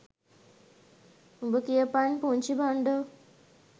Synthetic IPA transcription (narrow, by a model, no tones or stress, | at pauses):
ubəkijəpanpuɲt͡ɕibaɳɖə